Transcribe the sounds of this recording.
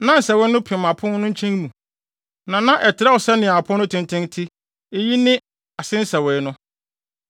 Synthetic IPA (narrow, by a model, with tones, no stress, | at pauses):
nã˦n̩˨sɛ˨wɛ˦nʊ̃˦pʰɪ̃˨ã˨pʰʊ̃˦n˦nʊ̃˦ɲ̩˦t͡ɕʰɛ̃˦ŋmũ˨ | nã˨nã˦ʔɛ˨tʰɪ˨ɾɛ˦wɔ˨sɛ˦nɪ̃˨a˨pʰʊ̃˦nʊ̃˦tʰɪ̃˨n˨tʰɪ̃˦ŋtʰi˦ | e˦ji˦nɪ̃˦ | a˨sɪ̃˦n̩˦sɛ˨wɛ˨nʊ̃˦